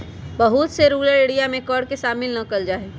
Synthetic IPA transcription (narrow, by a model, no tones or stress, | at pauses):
bɐɦut̪seɾuːɡləeːɽijamẽkɔːɾɖkeʃaːmɪlnɐkəld͡ʒaːe